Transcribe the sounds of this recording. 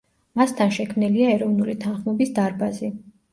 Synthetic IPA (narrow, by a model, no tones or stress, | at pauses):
mast̪ʰanʃɛkʰmniliaɛɾɔvnulit̪ʰanχmɔbisd̪aɾbazi